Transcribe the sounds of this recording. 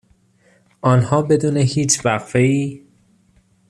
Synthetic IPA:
ʔɒːnhɒːbe̞d̪uːnehiːt͡ʃʰvæɣfe̞iː

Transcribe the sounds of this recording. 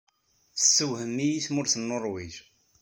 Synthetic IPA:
θəsːəwhəmːijiθmʊɾθənːoɾˤwiʒ

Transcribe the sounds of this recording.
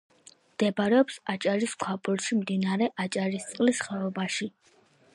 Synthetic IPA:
md̪ɛbaɾɛɔpsat͡ʃʼaɾiskʰwapʼuɾʃimd̪inaɾɛʔat͡ʃʼaɾist̪sʼqʼlisχɛɔbaʃi

